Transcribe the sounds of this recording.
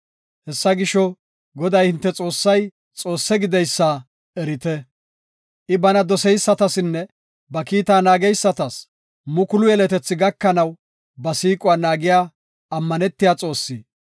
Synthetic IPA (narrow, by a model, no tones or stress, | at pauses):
hɛsːɐɡɪʃɔ | ɡɔd̪ɐjhɪnt̪ːɛt͡sʼo̞ːsːɐj | t͡sʼo̞ːsːɛɡɪd̪ɛjsːa | ɛɾɪt̪ɛ | ʔɪbɐnɐd̪ɔsɛjsːɐt̪ɐsɪnːɛ | bɐkiːt̪aːnaːɡɛjsːɐt̪ɐs | mʊkʊlʊjɛlɛt̪ɛt͡sːɪɡɐkːɐnɐw | bɐsiːkʼʊaːnaːɡɪjaː | ɐmːɐnɛt̪ːɪjaːt͡sʼo̞ːsːiː